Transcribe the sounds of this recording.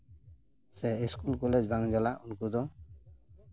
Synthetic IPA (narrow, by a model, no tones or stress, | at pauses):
sɛiskulkɔled͡ʒbaŋd͡ʒalaʔunkud̪ɔ